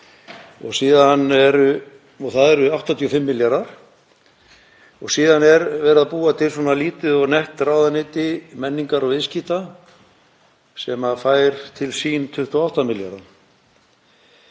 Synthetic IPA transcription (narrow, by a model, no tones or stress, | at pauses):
ɔɣsiːðanːɛɾʏ | ɔɣθaðɛɾʏawht̪ant̪ʰiɔfɪmːɪljaɾaɾ̥ | ɔɣsiːðanɛɾvɛːɾðaðpuːat̪ʰɪlswɔnaliːt̪ɪðɔɣnɛht̪raːwðanɪːt̪ɪmɛnːiŋkaɾɔɣɪsciːt̪a | sɛmafaːjɾ̥t̪ʰɪlsiːnt̪ʰʏht̪ɔawht̪amɪlja̰ɾan